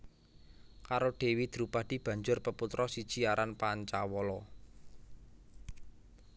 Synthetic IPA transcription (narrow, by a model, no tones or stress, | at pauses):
kaɾoɖ̥e̤wid̪̥əɾupaɖ̥i̤b̥a̤ɲd͡ʒʊrpəput̪ɾɔsid̥ʒ̥i̤aɾanpaɲt͡ʃawɔlɔ